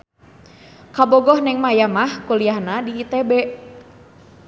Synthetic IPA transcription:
kabɔɡɔhnɛŋmajamahkuliahnadiːt̪ɛbɛʔ

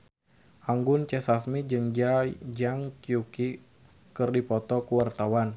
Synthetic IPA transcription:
ʔaŋɡʊnt͡ʃɛsasmid͡ʒɨŋd͡ʒajd͡ʒaŋkiuki | kɨrdipɔt̪ɔkuwart̪awan

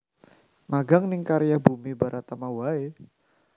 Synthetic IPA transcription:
maɡaŋnɪŋkaɾijabumibaɾʔat̪amawae

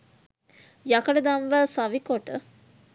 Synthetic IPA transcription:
jakəɖəd̪anʋəsaʋikoʈə

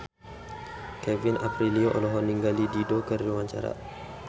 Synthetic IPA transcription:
kɛvinapɾilioʔɔ̰lɔɦɔniŋɡalididokəriwaɲt͡ʃa̰ɾa̰

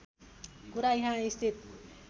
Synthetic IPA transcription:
kuɾajɦãist̪ʰit̪̚

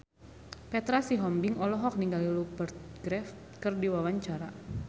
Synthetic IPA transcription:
pɛt̪ɾasiɦɔmbiŋɔlɔɦɔk̚niŋɡalilupərt̪̚ɡɾɛf | kɨrdiwawaɲt͡ʃaɾa

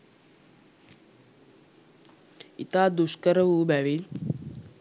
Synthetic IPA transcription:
ḭt̪aːd̪uskəɾəʋubæʋil

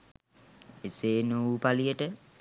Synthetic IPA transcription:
eseːnowpalijəʈə

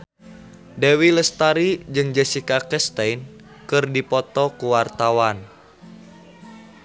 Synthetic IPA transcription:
dɛwiləst̪aɾid͡ʒɨŋd͡ʒɛsikakɛst̪ajn | kɨrdipɔt̪ɔkuwart̪awan

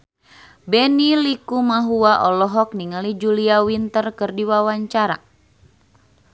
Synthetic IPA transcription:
bɛnilikumaɦuaʔɔlɔɦɔk̚niŋalid͡ʒuliawint̪ərkɨrdiwawaɲt͡ʃaɾa̰

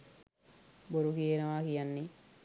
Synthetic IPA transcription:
boɾukienɐʋaːkijanːe

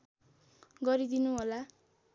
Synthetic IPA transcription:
ɡʌɾid̪inuɦola

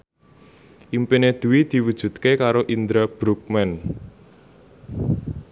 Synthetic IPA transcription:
ʔimpined̪̥ṳwid̪̥i̤wud̥ʒ̥ṳt̪̚kekaɾoʔind̪ɾab̥ɾuk̚mɛn

